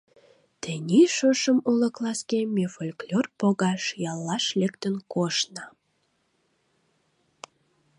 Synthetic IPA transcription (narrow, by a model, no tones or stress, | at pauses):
t̪enʲiʃoʃəmuləklɑskemʲefolʲklʲorpoɣɑʃjɑlːɑʃlekt̪ənkoʃnɑ